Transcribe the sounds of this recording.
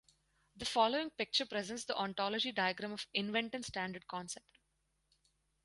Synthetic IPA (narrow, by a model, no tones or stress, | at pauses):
d̪əfɔːloːɪ̃ŋpɪk̚t͡ʃəɾpɾɛzɛ̃nʈsd̪iʔɔ̃ɳʈɔːlɔd͡ʒiɖaɪəɡɾãmɔfɪ̃nʋɛ̃ɳʈɛ̃nsʈæ̃ːɳɖəɾɖ̚kɔ̃nsepʈ